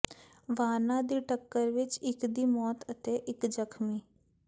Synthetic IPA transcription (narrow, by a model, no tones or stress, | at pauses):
ʋaːnãːd̪iːʈəkːəɾʋɪt͡ʃɪkd̪iːmɔːt̪ət̪eʔɪkd͡ʒəkʰmiː